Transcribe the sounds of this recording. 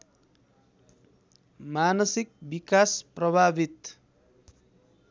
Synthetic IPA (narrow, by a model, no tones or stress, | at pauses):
manʌsik̚bikasprʌbʱabit̪